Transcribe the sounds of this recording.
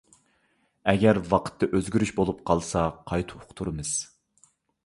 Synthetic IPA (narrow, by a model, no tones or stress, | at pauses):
ɛɡʲɛɾwɑqʰə̥t̪ʰːɛʔøzɡʲyɾyʃbolˠup̚qʰɑlˠsɑqʰɑjt̪ʰu̥ʊ̥qt̪ʰuɾɨmɨz̥